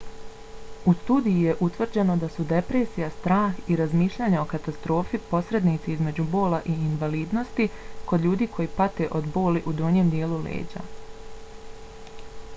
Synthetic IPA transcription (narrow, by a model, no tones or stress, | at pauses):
ust̪uːd̪ijije̞ʔut̪ʋr̩d͡ʑe̞no̞d̪asud̪e̞pɾe̞ːsijast̪ɾaːxiɾazmiːʃʎaːɲao̞kat̪ast̪ɾo̞ːfipo̞sɾe̞d̪nit̪siizme̞d͡ʑubo̞ːlaʔiːnʋaliːd̪no̞st̪iko̞d̪ʎʲuːd̪iːkʰo̞jipat̪e̞ʔo̞d̪bo̞ːliʔud̪oɲeːmd̪jeːlulḛːd͡ʑa̰